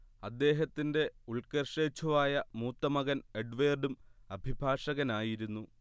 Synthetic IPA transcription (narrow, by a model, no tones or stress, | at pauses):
ɐd̪ːe̞ːɦɐt̪ːinde̞uɭkɐrʂeːt͡ɕʰːuʋaːjɐmuːt̪ːɐmɐɣɐneɖʋeːrɖumɐbʱibʱaːʂɐɣɐnaːjiɾunːu